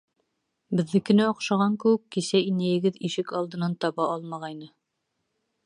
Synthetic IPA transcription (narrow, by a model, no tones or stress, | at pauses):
bɘ̆ðːɘkɘ̆næŏqʃɑʁɑŋkɘ̆wɘkːisæinæjɘ̆ɡɘðiʃɘkɑlˠd̪ɤ̆nɑnt̪ɑβɑʔɑlˠmɑʁɑjnɤ